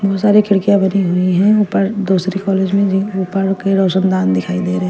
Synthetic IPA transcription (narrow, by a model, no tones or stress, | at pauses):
bɔɦʊt̪saːɾekʰɪɽkijabɐniɦʊiɦɛ̃upəɾd̪uːsɾikɔːleːd͡ʒmẽuːpəɾkeɾɔːʃənd̪aːnd̪ɪkʰaːid̪eːɾɛɦɛ̃